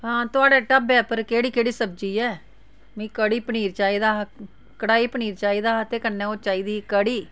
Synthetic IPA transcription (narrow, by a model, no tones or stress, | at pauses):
ɦãːt̪ʊaːɖɛːʈəbɛːpəɾkeːɽiːkeːɽiːsəb̚d͡ʒiːɛː | mĩːkəɽiːpəniːɾt͡ʃaːiːd̪aː | kəɽaːiːpəniːɾt͡ʃaːiːd̪aːt̪eːkənːeːoːt͡ʃaːiːd̪iːkəɽiː